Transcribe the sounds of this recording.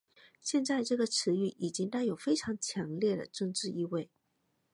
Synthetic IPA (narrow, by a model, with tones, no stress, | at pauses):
ɕjɛ˥˧nt͡sa˥˧ɪʈ͡ʂɤ˥˩ɡə˩ʈ͡ʂʰɻ̩˧˥y˥˩ʔi˨˩t͡ɕi˥ŋt̪a˥˩ɪjo˨˩ʊfe˥ɪʈ͡ʂʰɑ˧˥ŋt͡ɕʰjɑ˧˥ŋljɛ˥˩d̪ə̰˩ʈ͡ʂɤ˥˧ŋʈ͡ʂɻ̩˥˧i˥˧we˥˩ɪ